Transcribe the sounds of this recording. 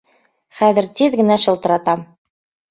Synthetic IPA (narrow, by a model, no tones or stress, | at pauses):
χæðɘ̆ɾt̪iðɡɘ̆næʃɤ̆lˠt̪ɤ̆ɾɑt̪ɑm